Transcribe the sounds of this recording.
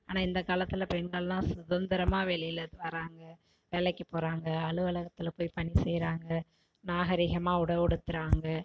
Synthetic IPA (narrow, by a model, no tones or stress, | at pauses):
aːnãːɪnd̪ɐkaːlɐt̪ːɪlɐpɛɳɡɐɭlãːsʊðɐnd̪ɪɾɐmaːʋeːlɪjɪlðɯʋɐɾaːŋɡɐ | ʋeːɭɛkʲːɯpoːɾaːŋɡɐɐɭɯʋɐlɐɣɐt̪ːɪlɐpoːjpɐɳisɛjɾaːŋɡɐ | naːɣɐɾɪɣɐmaːʊɽɐʋɪɽɯt̪ːɯɾaːŋɡɐ